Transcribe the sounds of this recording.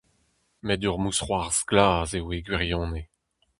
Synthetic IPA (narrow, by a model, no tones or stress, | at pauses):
mɛduʁmusχwaʁz̥ɡlaːzeweɡɥiʁjɔ̃ːne